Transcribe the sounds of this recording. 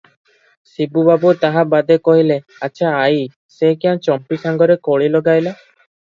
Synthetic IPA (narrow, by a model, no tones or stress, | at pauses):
sibubabut̪aɦabad̪ekɔɦile | at͡ʃʰaːj | sekiãt͡ʃɔmpisaŋɡɔɾekoɭilɔɡajla